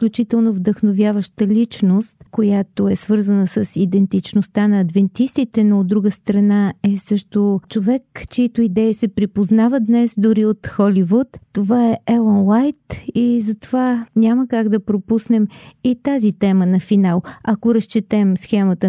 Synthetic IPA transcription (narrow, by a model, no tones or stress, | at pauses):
fklʲut͡ʃit̪ɛlˠnovd̪əxnovʲjavəʃt̪əlʲit͡ʃnost̪kojat̪oɛsvɤɾzənəsəsid̪ɛnt̪it͡ʃnost̪anɐːd̪vɛnt̪ist̪it̪ɛnoːd̪ɾuɡəst̪ɾɐnaɛsɤʃt̪ot͡ʃovɛkt͡ʃɛit̪oid̪ɛisɛpɾipoznavəd̪nɛsd̪ʊɾiot̪xɔlivut̪ːovaɛɛlˠɔnlajt̪izɐt̪ovaɲʲaməkaɡd̪ɐpɾopusnɛmit̪azit̪ɛmənɐfinalˠɐkoɾəst͡ʃit̪ɛmsxɛmət̪ə